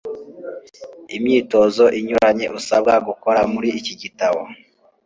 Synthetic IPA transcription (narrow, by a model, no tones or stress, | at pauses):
imɲiːto̞zo̞ʔiɲuɾaɲe̞ʔusab̚ɡaɡukoɾamuɾiːciɟitaβo̰